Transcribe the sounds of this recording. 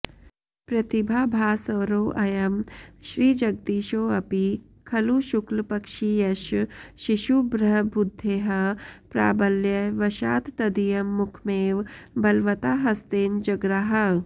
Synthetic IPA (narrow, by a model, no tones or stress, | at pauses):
pɾɐt̪ibʱaːbʱaːsɐʋɾoːʔɐjɐmʃɾiːd͡ʒɐɡ̚d̪iːʃoːɐpi | kʰɐluʃuklpɐkʃijɐʃʃiʃubɾɐɦbud̪ʱːeːɦɐpɾa̰ːbɐljɐʋɐʃaːt̪t̪ɐd̪ijɐmːukʰmeːʋbɐlʋɐt̪aːɦɐst̪eːnd͡ʒɐɡɾaːɦɐ